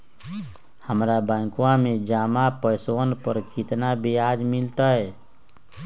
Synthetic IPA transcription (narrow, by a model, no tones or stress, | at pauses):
həmɾabãkuãmẽd͡ʒamapəjsənpəɾkit̪nabʱiad͡ʒmilt̪aɦɛ